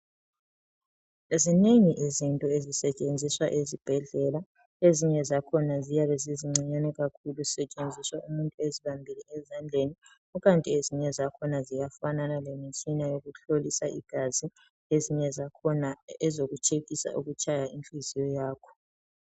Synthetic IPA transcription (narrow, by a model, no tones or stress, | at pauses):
zineŋiʔizintʼɔezisɛt͡ʃʼend͡zʱiswaʔezib̥ʱɛɮɛla | eziɲɛzakʰɔnazijaβɛziziŋ͡ǀiɲanɛɣakʰulusɛt͡ʃʼend͡zʱiswaumuntʼueziβambʱiliɛzand͡ɮʱeni | uɣantʼieziɲɛzakʰɔnazijafananalemit͡ʃʼinajoɣuɬolisaʔḭɡ̥ʱazi | eziɲɛzakʰɔnaɛzoɣut͡ʃʰeɣisa̰ʔṵɣut͡ʃʰʼajainfʼizijɔjaːkʰɔ̥